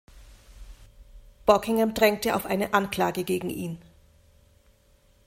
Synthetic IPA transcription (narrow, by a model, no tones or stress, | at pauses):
b̥ɔkɪŋɛmdʁɛŋk̚təa̰ʊfʔaɪnəʔankl̥aːɡəɡeːɡŋ̩ʔiːn